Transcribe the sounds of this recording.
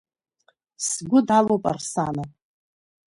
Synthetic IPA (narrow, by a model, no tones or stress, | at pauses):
sɡʷʊdalowpʼa̰rsana